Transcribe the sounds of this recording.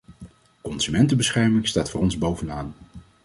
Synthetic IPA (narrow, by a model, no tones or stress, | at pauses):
kɔnsymɛntəbəsχɛɹmɪŋstaːtfʊːrɔnzbowvənaːn